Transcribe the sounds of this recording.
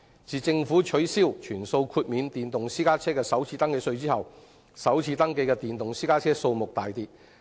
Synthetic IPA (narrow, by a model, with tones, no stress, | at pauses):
t͡siː˨t͡sɪ˧ŋfuː˨˥t͡ʃʰɵ˨˥ɥsiː˥wt͡ʃʰyː˨˩nso˧wkʰuː˧t̚miː˨˧nt̪iː˨˩nt̪ʊ˨ŋsiː˥kaː˥t͡sʰɛː˥kɛː˧sɐ˨˥wt͡sʰiː˧t̪ɐ˥ŋke˧jsɵ˧ɥt͡siː˥hɐ˨w | sɐ˨˥wt͡sʰiː˧t̪ɐ˥ŋke˧jkɛː˧t̪iː˨nt̪ʊ˨ŋsiː˥kaː˥t͡sʰɛː˥so˧wmʊ˨k̚t̪aː˨jt̪iː˨t̚